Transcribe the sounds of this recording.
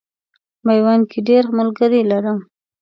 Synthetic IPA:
majwɑnkʰeɖeɾmʊlɡəɾilaɾəm

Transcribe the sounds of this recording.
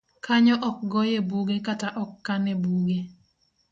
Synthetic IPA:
kaɲɔʔɔk̚ɡɔjebuɡekataʔɔkːanɛbuɡe

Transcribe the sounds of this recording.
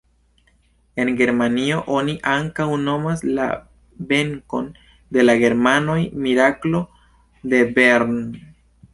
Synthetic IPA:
e̞nɡe̞ɾmanio̞ʔo̞niʔaŋkawno̞masla̰ | be̞ŋko̞n | de̞laɡe̞ɾmano̞jmiɾaklo̞ | de̞be̞ɾn

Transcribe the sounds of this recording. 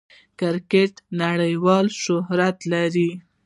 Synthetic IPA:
kɪɾkeʈnaɽəjwɑlʃʊɦɾat̪laɾi

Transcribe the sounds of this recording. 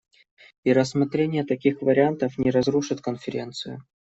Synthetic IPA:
iɾəsmɐt̪ɾʲenʲɪjət̪ɐkʲixvəɾʲɪant̪əfnʲɪɾɐzɾuʂɨt̪kənfʲɪɾʲe̞̰nt̪sɨjʊ̰

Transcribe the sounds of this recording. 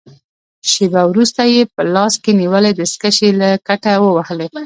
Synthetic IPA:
ʃebawɾust̪ajepəlɑskeniwəled̪əskəʃelakaʈawəwahle

